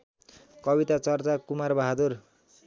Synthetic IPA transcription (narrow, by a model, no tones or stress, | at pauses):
kʌbit̪at͡sʌrt͡sakumarbʌɦad̪ur